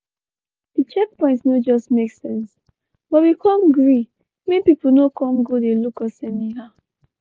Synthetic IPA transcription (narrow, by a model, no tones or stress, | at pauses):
d̥it͡ʃɛk̚pɔ̃ɪ̃ntsnod͡ʒɔstmeksɛ̃ns | b̥ɔt̚wikʰɔ̃mɡɹi | mepipl̩nokɔ̃mɡodelukɔsɛ̃mĩha